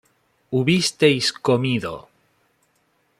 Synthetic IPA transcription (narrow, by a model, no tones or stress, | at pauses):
uβist̪ejskomiðo̰